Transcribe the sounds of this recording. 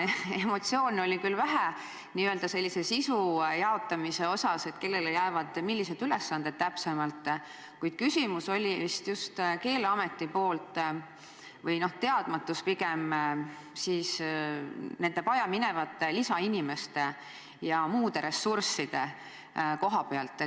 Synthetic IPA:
e̞mo̞t̪sio̞ːno̞lʲikylvæɦæ | niːøld̪ɑse̞lʲːisesisujɑo̞t̪ːˑɑmise̞o̞sɑse̞t̪ke̞lːe̞lejæevɑd̪̥milʲːise̞d̪yle̞sːɑnd̪et̪̚t̪æpsemɑlt̪ˑː | kujd̪̥kysʲimuso̞lʲist̪just̪ke̞ːleɑme̞t̪ːˑipo̞ːlt̪ˑ | vɤjno̞ht̪e̞ɑd̪̥mɑt̪ːˑuspiɡ̥e̞m | siːs | ne̞nd̪̥e̞pɑjɑmine̞vɑt̪ːe̞lisɑinʲime̞st̪e | jɑmuːd̪e̞ɾe̞sːursːid̪̥e̞ | ko̞ɦɑpe̞ɑlt̪ːˑ

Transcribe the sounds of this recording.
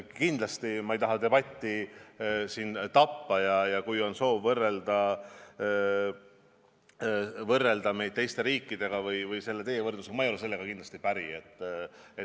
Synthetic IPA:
kind̪lɑst̪imɑejt̪ɑɦɑd̪e̞bɑt̪ʲːi | sint̪ɑpːɑjɑjɑkujo̞nso̞ːvːɤrːe̞ld̪̥ɑ | vɤrːe̞ld̪̥ɑme̞jd̪̚t̪e̞jst̪e̞ɾiːkːˑid̪̥e̞ɡ̥ɑvɯjvɯjse̞lːee̞jevɤrd̪use̥ɑmɑejole̞se̞lːe̞ɡ̥ɑkind̪lɑst̪ipæɾiet̪ːˑet̪

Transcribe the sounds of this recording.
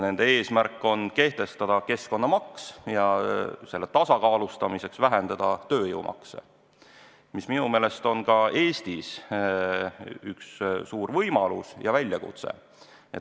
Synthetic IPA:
ne̞nd̪ee̞ːsmærkːˑo̞nke̞ht̪e̞st̪ɑd̪̥ɑke̞sko̞nːɑmɑksjɑse̞lːe̞t̪ɑsɑkɑːlust̪ɑmise̞ksvæɦend̪̥ɑd̪̥ɑt̪ø̞ːjə̰wmʔɑ̰ksḛ | misminume̞ːle̞st̪o̞nkɑe̞ːst̪is | ykssuːrvɤjmɑlṵsjɑvælʲjɑkṵt̪sḛ | et

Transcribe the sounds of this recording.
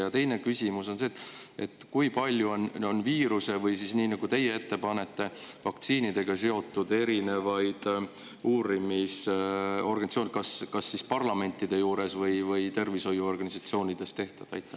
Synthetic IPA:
jɑt̪e̞jne̞kysʲimuso̞nseːt̪ːˑe̞t̪ːˑkujpɑlʲjuononviːɾuse̞vɤjsisniːnɑɡ̥ut̪e̞jːee̞t̪ːe̞pɑne̞t̪ːe̞vɑk̚t̪siːnid̪̥e̞ɡ̥ɑse̞o̞t̪ːˑud̪e̞ɾine̞vɑjd̪̥ | uːɾimiso̞rɡɑnit̪sionkɑskɑsːispɑrlɑme̞nʲt̪ːˑid̪̥e̞juːɾe̞svɤjvɤjt̪e̞rviso̞jːuo̞rɡ̥ɑnisɑt̪sio̞ːnʲid̪̥e̞st̪e̞ht̪ɑd̪̥ɑ̰jt̪ːˑɑ

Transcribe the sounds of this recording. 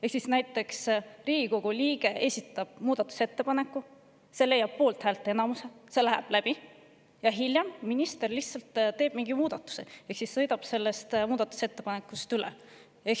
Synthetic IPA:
e̞ksisnæjt̪ːˑe̞ksriːɡ̥iko̞ɡuliːɡ̥e̞ʔesʲit̪ːˑɑb̥̚muːd̪̥ɑt̪ːˑu̥set̪ːe̞pɑne̞kːˑu | se̞le̞jːɑb̥̚po̞ːlt̪hæːlt̪ˑe̞nɑmuse̞se̞læɦæ̰b̥læb̥i | jɑɦiljɑmːinist̪e̞rliht̪sɑlt̪t̪e̞ːb̥miŋɡ̥imuːd̪̥ɑt̪ːˑu̥seeksisːɤ̞jd̪ɑb̥se̞lːe̞st̪muːd̪̥ɑt̪ːˑu̥se̞t̪ːe̞pɑne̞kːˑust̪ylḛ | ek

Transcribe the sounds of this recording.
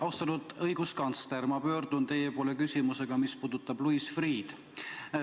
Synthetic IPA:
ɑwst̪ɑnud̪̥ɤjɡ̥uskɑnt̪sleɾmɑpø̞ːrd̪̥unt̪e̞jepo̞ːle̞kysʲimuse̞ɡ̥ɑmispuːd̪̥ut̪ːˑɑbluisfriːd̪̥

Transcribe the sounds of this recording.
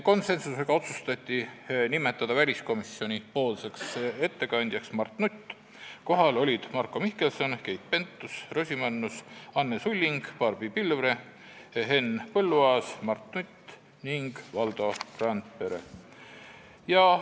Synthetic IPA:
ko̞nse̞nsuse̞ɡ̥ɑo̞t̪sust̪ɑt̪ʲːˑinime̞t̪ːˑɑd̪̥ɑvælʲisko̞misːio̞nʲipo̞ːlse̞kset̪ːe̞kɑnʲd̪jɑksmɑrt̪nut̪ː | ko̞ɦɑlo̞lʲid̪̥mɑrkːˑo̞mihke̞lso̞nke̞jt̪̚pe̞nt̪ˑːusro̞sʲimɑnːusɑnːesulʲːiŋɡ̥pɑrbipilvre̞ | ɦe̞npɤlːuɑːsmɑrt̪ˑnut̪ː | niŋɡ̥vɑld̪o̞rɑnt̪peɾḛ | jɑ

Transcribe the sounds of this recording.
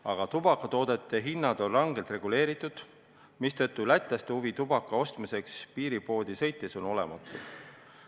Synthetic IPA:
ɑɡ̥ɑt̪ub̥ɑkːˑɑt̪o̞ːd̪̥e̞t̪ˑːe̞ɦinːɑd̪̥o̞nrɑŋɡ̥elt̪re̞ɡ̥ule̞ːɾit̪ːˑud̪̥ | mist̪ɤt̪ˑːulæt̪ˑlɑst̪ehuvit̪ub̥ɑkːˑɑo̞st̪misekspiːɾipo̞ːd̪̥isɤ̞jt̪ːˑe̞so̞no̞le̞̰mɑ̰t̪ːˑu̥

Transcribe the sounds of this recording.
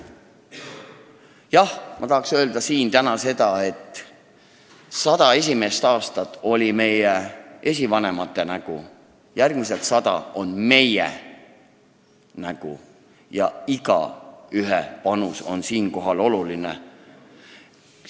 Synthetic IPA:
jɑhmʔɑt̪ɑɦɑksø̞ːld̪ɑsiːnt̪ænɑse̞d̪ɑe̞t̪ːˑ | sɑd̪̥ɑe̞s̬ʲime̞st̪ɑːst̪ɑt̪ːˑo̞lʲime̞jeʔe̞s̬ʲivɑne̞mɑt̪ˑːe̞næɡ̥u | jærɡ̥mise̞lt̪sɑd̪ɑ̰o̞nme̞jḛ | næɡ̥ṵ | jɑiɡ̥ɑ̰yɦepɑnuso̞̰nsiːnko̞ɦɑlo̞lulinḛ

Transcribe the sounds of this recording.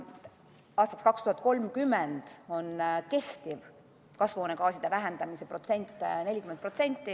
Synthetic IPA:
ɑːst̪ɑkskɑkst̪uhɑt̪̚ˑko̞lmkymːɛnd̪̥o̞nke̞ht̪iv | kɑsvoːne̞kɑːsid̪̥e̞væɦɛnd̪̥ɑmisepro̞t̪se̞nʲt̪ːˑne̞lʲikyment̪pro̞t̪se̞nʲt̪ːi

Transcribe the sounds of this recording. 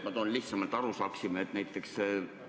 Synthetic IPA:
mɑd̪onliht̪sɑmɑlt̪ːˑɑɾusɑːksimet̪næjt̪ˑːe̞ks

